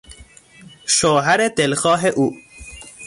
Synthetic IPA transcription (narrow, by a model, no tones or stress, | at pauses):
ʃoːɦaɾet̪elxɑːɦeʔuː